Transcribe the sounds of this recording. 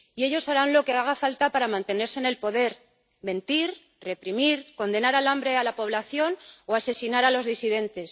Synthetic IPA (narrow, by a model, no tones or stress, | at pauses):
ie̞ʎo̞saɾanlo̞ke̞aɣ̞afalt̪apaɾamãnt̪e̞ne̞ɾsene̞lpo̞ðe̞ɾ | me̞nt̪iɾ | re̞pɾimiɾko̞nd̪e̞naɾalambɾe̞alapo̞β̞laθjo̞noase̞sinaɾalo̞zðisiðe̞nt̪e̞s